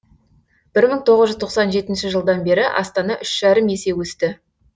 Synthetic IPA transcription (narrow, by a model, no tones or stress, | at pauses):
b̥ɪɾməɴt̪ʰo̞ʁəzʒʏzt̪ʰo̞qsɑnʒe̞t̪ɪnʃɪʒəlˠd̪ɑnbe̞ɾɪʔɑ̰st̪ɑnɑʔʏʃʒ̥æɾəmje̞se̞wɵst̪ɪ